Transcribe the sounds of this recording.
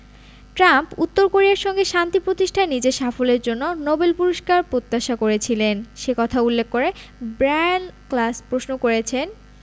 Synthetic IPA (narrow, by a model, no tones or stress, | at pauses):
ʈɾamput̪ːoɾkoɾiaɾʃɔŋɡeʃant̪ipɾot̪iʃʈʰaenid͡ʑeʃafoleɾd͡ʑonːonobelpuɾoʃkaɾpɾot̪ːaʃakoɾet͡ɕʰilenʃekɔt̪ʰaulːekːoɾebɾanklaspɾosnokoɾet͡ɕʰen